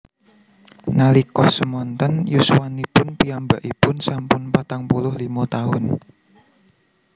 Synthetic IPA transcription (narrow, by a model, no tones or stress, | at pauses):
nalikɔhsəmɔnt̪ənjusuwanipʊnpiambaʔipʊnsampʊnpat̪aŋpulʊhlimɔt̪aɦʊn